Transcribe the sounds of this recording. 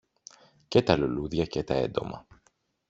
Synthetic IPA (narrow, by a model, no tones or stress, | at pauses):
ce̞t̪ɐluluðʝɐcet̪ɐe̞̰nd̪o̞mɐ̰